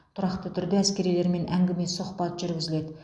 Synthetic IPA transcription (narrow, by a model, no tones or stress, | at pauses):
t̪ʰʊɾɑqt̪ət̪ʰʏɾd̪ɪæskʲe̞ɾijle̞ɾme̞nʔæŋɡʲɪme̞sʊχpɑt̪ʒʏɾɡʲɪzɪle̞d̪ɪ